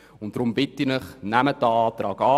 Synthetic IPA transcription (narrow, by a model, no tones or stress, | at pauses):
ʊnt̚d̥ɾʊmbɪtinəχnæmədəɑːtɾɑːkɑː